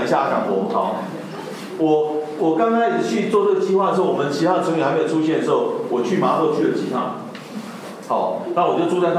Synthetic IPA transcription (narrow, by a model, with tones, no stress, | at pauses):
i˧˩ɕja˥˧˩a˥˩ka̰˨˥ŋpʰɔ˨˥˩kʰɑ̰˨˦ | wɔ˨˩ | wɔ˨˩kɑ˥ŋka˥ɪjt͡ɕʰy˥˨t͡swɔ˥˨ʈ͡ʂə˥˩ɡə˩t͡ɕi˥xwa˥˩də˩ʂ̩˥˩wɔ˨˩mə˧˦nt͡ɕʰi˧˥t̪ʰa˥d̪ə˨t͡sʰŋy˨xa˧ɪme˥jo˨˩u˥ɕjɛ˥nd̪ə˩ʂ̩˧xo˥˩ʊwɔ˨˩t͡ɕʰy˥˨˩ma˧˥ʔɤ˥˧t͡ɕʰy˥˩ə˨˩t͡ɕʰḭ˧˥t̪ʰa̰˥˧ŋ | ha˨˧˦ʊna˥˩wɔ˨˩t͡ɕo˥˧ʊt͡su˥˧t͡sa˥˩ɪ